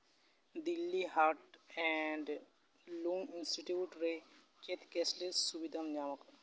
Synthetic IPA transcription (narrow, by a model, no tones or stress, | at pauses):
d̪ilːiɦaɾʈɛɳɖ | lũŋɪnsʈiʈiʋʈɾe | ket̪ʰkɛslesubid̪ʱamd͡ʒaːmək